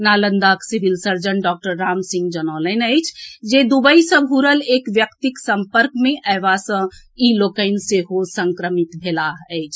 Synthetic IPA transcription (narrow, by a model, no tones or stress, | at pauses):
nalənd̪aksibʱilsəɾd͡ʒənɖɔk̚ʈəɾːamsĩŋɡd͡ʒənələnəɪt͡ʃʰd͡ʒed̪ubəisə̃bʱuɾəlekʋjəkt̪iksəmpəɾkmeʔəɪbasə̃ | ilokəɪnseɦosə̃ŋkɾəmit̪bʱelaɦəɪt͡ʃʰ